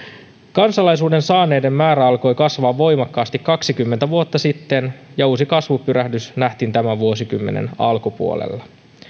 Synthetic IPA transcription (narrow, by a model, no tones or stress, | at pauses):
kɑnsɑlɑjsuːde̞nsɑːne̞jde̞mːæːɾæɑlko̞jkɑsʋɑːʋːo̞jmɑkːɑːst̪ikkːɑksik̟ymːent̪æʋuo̞t̪ːɑsit̪ːe̞njɑuːsikɑsʋupyɾæhdysnæht̪int̪æmæʋuo̞sikymːenḛnɑ̰lkupuolḛlːɑ